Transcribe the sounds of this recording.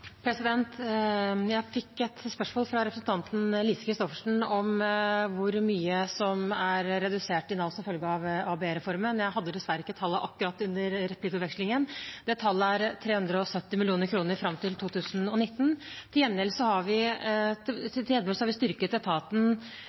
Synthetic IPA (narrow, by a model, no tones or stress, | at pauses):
pʰɾɛsɪd̪ɛnt̪ | jæɪfɪkːɛt̪spœʂmoːlfɾɑɾɛpʰɾəsn̩t̪ʰɑnt̪n̩liːsə̥kʰɾɪst̪ɔfəʂɳ̩ɔmʋʊɾmyːəsɔmæɾɾɛd̪ʉseːʈɪnɑlsɔmfœlɡəɑʋɑːbeɾɛfɔɾmənjæɪɦɑd̪ːəd̪ɛsʋæɾəɪkːət̪ʰɑlːəʔɑkːʉɾɑt̪ːʉnːəɾɾɛplɪkʉp̪ʋɛkslɪŋənd̪̥ɛt̪ʰːɑlːəæɾt̪ʰɾeːhʉnd̪ɾəɔsœt̪ːɪmɪlɪuːnəɾkʰɾuːnəɾfɾɑmt̪ɪlt̪ʰuːt̪ʰʉːsənɔnɪt̪ːn̩t̪ʰɪljɛnːɪlsɔhɑɾʋɪ | ɪljɛnːɪlsɔhɑɾʋɪst̪ʏɾkət̪ɛt̪ʰɑːt̪n̩